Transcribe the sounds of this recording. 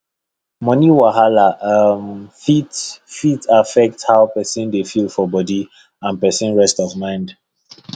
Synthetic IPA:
mɔniwaɦalamfitfitafɛk̚thawpɛsĩndefilˠfɔbɔdi | ãnpɛsĩnɹɛstɔvmãɪ̃nd

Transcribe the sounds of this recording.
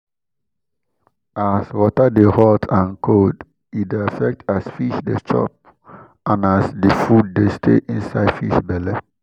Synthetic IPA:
aswɔtadehɔtʰãnkʰod | idafɛk̚tʰasfiʃdet͡ʃɔ̰p̚ | ʔãnasdifud̚destʰḛʔĩnsaɪdfḭʃbɛle

